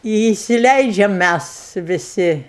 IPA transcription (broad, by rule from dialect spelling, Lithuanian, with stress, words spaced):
ɪ iːsʲɪˈlʲɛɪd͡ʒʲɛm ˈmʲæs ʋʲɪˈsʲɪ